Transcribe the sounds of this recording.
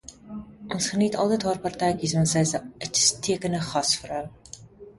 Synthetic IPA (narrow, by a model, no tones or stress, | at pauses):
ʔɔnsχənitʰɑlˠtəjtɦɑːrpɑrtɛjkismɐnsɛjzətstʰːiəkənəχɐsfərəw